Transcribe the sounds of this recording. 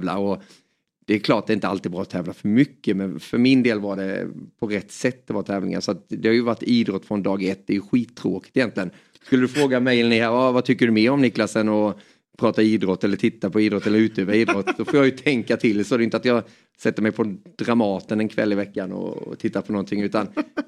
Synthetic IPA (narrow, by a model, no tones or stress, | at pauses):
vla̰ɾɔ | d̪̥ɛːkʰlɑːʈad̪ɛɪnt̪əa̰lt̪ɪd̪bɾɑːɔt̪ʰɛːvlafœɾmʏkːəmɛnfœɾmɪnd̪eːlvaɖɛ̰pʰɔɾɛt̪ːsɛt̪ːd̪ɛvaɾt̪ʰɛːvlɪ̰ŋa̰sɔat̪d̪ɛhajɵvaʈːiːd̪ɾɔt̪ːfɾɔnd̪ɑːɡɛt̪ːd̪ɛjɵɧiːt̪ʰːɾoːkɪ̥t̪ɪjɛnt̪lɪɡən | skɵlːəd̪ɵfɾoːɡamɛjɛlnɪhæːɾavat̪ʰʏkːəɖɵmeːɾɔmnɪklasənɔ | pʰɾɑːt̪aiːd̪ɾɔt̪ːɛlːəʈʰɪt̪ːapʰɔiːd̪ɾɔt̪ːɛlːəɾʉ̟ːt̪øːvaiːd̪ɾɔt̪ːsɔfoːjɑjɵt̪ʰɛŋkat̪ʰɪld̪ɛsɔdɛjʏnt̪at̪jɑː | sɛt̪ːəɾmɛjpʰɔd̪̥ɾamɑːt̪ənɛnkʰvɛ̰lːɪvɛkːanɔ̰t̪ʰɪt̪ːapʰɔnɔnt̪ʰɪŋʉ̟ːt̪an